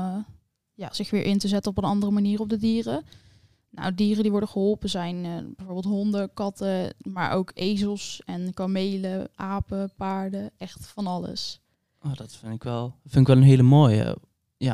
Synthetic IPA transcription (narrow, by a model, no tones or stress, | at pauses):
ja̰ːz̥ɪχʋɪːɹʔɪntəzɛtənɔpənɑndərəmaniːrɔp̚dədiːrə | na̰wdiːrədiʋɔɹdəχəɦɔlˠpəzɛjnbɛjvoɹbɪːlˠtɦɔndəkɑtəma̰ːɹʔo̰wkejzəlˠsɛnkamejləʔaːpəpaːɹdəʔɛχtfɑnɑlə̰s | ʔoːdɑtfɪndɪkʋɛlˠfɪndɪkʋɛlˠənɦejləmoːjə̰ | jaː